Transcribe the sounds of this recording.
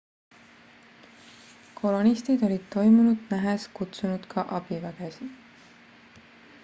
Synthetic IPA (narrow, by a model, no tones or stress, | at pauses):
kʰo̞lo̞nist̪id̪̥o̞lʲid̪̥t̪o̞jmunud̪̥næɦeskut̪sunud̪̥kʰɑʔɑb̥ivæɡ̥esi